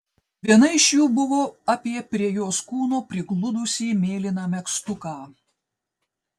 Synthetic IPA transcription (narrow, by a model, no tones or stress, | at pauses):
ʋʲiɛnɐɪɪʃjuːbʊʋoːɑːpʲiɛpʲɾʲiɛjoːskuːnoːpʲɾʲɪɡlˠʊd̪ʊsʲiːmʲeːlʲɪnɑːmʲɛkst̪ʊkɑː